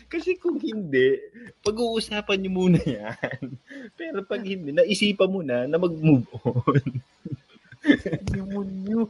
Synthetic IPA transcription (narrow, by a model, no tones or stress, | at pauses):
kɐsɛkʊŋhɪnd̪ɛʔpɐɡuːʔʊsaːpɐnɲomuːnɐjanpɛːɾo̞pɐɡ̚hɪnd̪ɛnɐʔɪsiːpɐmunɐnɐmɐɡ̚mubʔon | d̪imʊnɲo